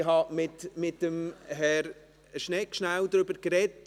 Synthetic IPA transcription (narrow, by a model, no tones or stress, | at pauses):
hɦɑmɪtmɪt̚ːəmɦɛɾ | ʃnɛkʃnawd̪ɾʏbəɾkɾɛt